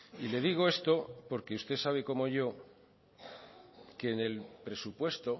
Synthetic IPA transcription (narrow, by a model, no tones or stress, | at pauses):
ile̞ð̞iɣ̞o̞e̞st̪o̞po̞ɾke̞ust̪e̞saβ̞e̞ko̞mo̞ʝo̞ | keːne̞lpɾe̞supwe̞st̪o̞